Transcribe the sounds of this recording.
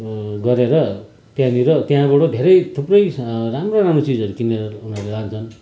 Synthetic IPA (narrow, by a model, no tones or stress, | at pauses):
ɡʌɾeɾʌ | t̪jãniɾʌt̪jãbʌʈod̪ʱeɾʌjt̪ʰuprʌjramroɾamɾot͡sid͡zʌɾukineɾʌunʌrlelant͡sʰʌn